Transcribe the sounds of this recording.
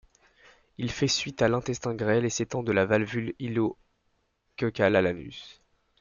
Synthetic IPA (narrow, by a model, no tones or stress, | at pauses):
ilfɛsɥit̪alɛ̃t̪ɛst̪ɛ̃ɡʁɛleset̪ɑ̃d̪əlavalvylilo | kʲøkʲalalany̰s